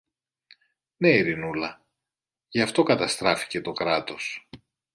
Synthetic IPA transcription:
ne̞iɾinulɐ | ʝɐft̪o̞kɐt̪ɐst̪ɾɐfi̥ce̞t̪o̞kɾɐt̪o̞s

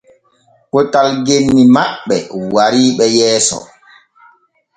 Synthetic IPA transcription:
kɔtalɡenːimaɓːɛ̰waɾiːɓɛjɛːsɔ̰

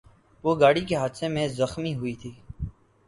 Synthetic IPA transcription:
ʋoːɡaːɽiːkeɦaːd̪seːmẽːzəxmiːɦʊiːt̪ʰiː

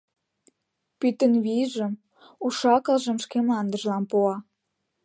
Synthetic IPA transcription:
pyt̪ənβiʒəm | uʃɑkə̆lʒə̆mʃkemɑnd̪əʒlɑmpuɑ

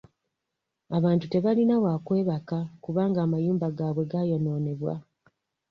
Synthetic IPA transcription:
aβaːntute̞βalinawaːkwe̞ːβakakuβaːŋɡaːmajuːmbaɡaβwe̞ɡajo̞no̞ːne̞βwa̰

